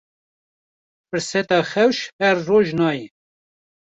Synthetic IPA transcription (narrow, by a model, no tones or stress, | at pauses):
fɨɾsɛt̪ɑːxɛwʃhɛɾːoːʒnɑːjɛ